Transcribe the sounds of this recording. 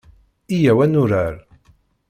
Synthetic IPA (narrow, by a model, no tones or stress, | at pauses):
ijæwænʊɾaɾ